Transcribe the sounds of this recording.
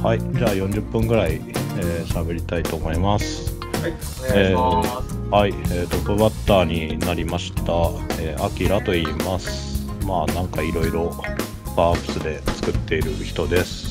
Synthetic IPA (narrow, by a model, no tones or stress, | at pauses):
haid͡ʑaːjõ̞ɲ̟d͡ʑɯpːɯ̟̃ŋɡɯ̟ɾaieːɕabe̞ɾʲit̪ait̪o̞ːmo̞imasɨ̥ | e | haieːt̪o̞pːɯ̟bat̪ːaːɲ̟inaɾʲimaɕi̥t̪a | eːakʲiɾat̪o̞iːmasɨ̥ | maːnãŋkaiɾo̞iɾo̞ | paːpːɯ̟̥sɨd̪e̞t͡sɨ̥kɯ̟t̪ːe̞iɾɯ̟çi̥t̪o̞d̪e̞sɨ̥